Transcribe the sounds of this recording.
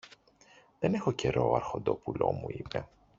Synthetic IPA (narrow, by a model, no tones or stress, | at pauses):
ðene̞xoce̞ɾo̞ɐɾxo̞nd̪o̞pulo̞muipe̞